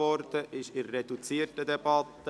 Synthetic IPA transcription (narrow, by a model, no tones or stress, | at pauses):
ɔɾd̪̥əʔɪʃɪɾːed̪ut͡siːətədɛb̥ɑt̪ːə